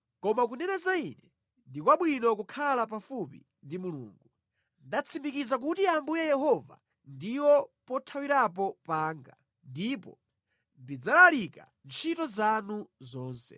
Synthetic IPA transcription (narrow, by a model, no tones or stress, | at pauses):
kɔmakunɛnazainɛ | ndikwaɓwinɔkukʰalap̬afupḭ | ndimulṵːŋɡu | ndat͡sʰimikizak̬utiambujajɛhɔva̰ | ndiwɔpɔtʰawiɾap̬ɔpaːŋɡa̰ | ndipɔ̰ | ndid͡zalalika̰ | nt͡ʃʰitɔzanuzɔːnsɛ̰